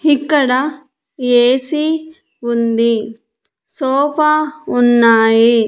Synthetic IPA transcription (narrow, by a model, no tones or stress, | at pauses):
ikːɐɽɐ | eːsi | und̪i | sɔːpaunːaːji